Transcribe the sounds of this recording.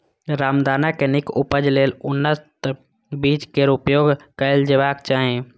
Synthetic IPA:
ɾaːmd̪aːnakenɪkʊpəd͡ʒleːlʊnːət̪ | biːt͡ʃkeɾʊpjoːɡkəɪld͡ʒeʋaːkt͡ʃaːɦẽ

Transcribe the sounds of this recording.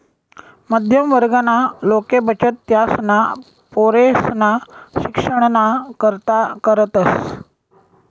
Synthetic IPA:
məd̪ʱjəmʋəɾɡanalokebət͡ɕət̪ːjasna | poɾesnaɕikʂəɳ̃nakəɾt̪akəɾət̪əs

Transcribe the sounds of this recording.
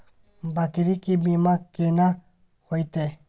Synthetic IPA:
bakiɾikibimakena | hɔjt̪e

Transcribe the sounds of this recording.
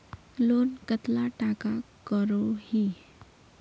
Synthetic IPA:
loːnkət̪laʈakakəɾohiː

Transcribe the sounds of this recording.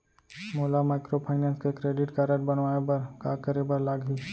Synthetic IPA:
moːlamaːɪkɾopʰaːɪnə̃nskekɾeːɖɪʈkaɾəʈbənʋaːebəɾkakəɾebəɾlaːɡʱi

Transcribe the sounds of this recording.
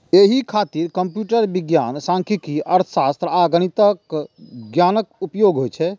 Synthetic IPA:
eɦikʰat̪iɾkəmpjuʈəɾbiɡja̰nsãŋkʰikiəɾt̪ʰə̥sast̪ɾəaɡñit̪əkɡjanəkupjoɡɦojt͡ʃʰɛ

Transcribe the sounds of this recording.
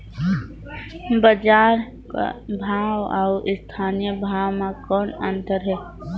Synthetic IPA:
bəd͡ʒaːɾ | ka̰bʱaːwa̰wʔɪst̪ʰaːnijəbʱaːwmãkɔːnə̃nt̪əɾɦɛː

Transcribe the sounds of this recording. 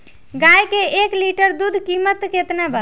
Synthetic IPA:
ɡajkeekliʈəɾd̪ud̪ʱkimət̪ket̪nabə

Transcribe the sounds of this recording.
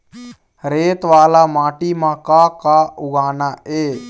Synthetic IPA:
ɾeːt̪ʋaːlaːmaːʈiːmãːkaːkaːʊɡaːnaːʔeː

